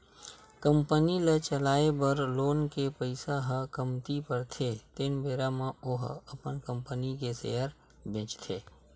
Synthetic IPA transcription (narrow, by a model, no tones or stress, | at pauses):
kəmpənilet͡ʃəlaːebəɾloːnkepəɪsaɦəkəmt̪ipəɾt̪ʰet̪eːnbeːɾamãoɦɐpənkə̃mpənikesḛːəɾ | bẽːt͡ʃt̪ʰeː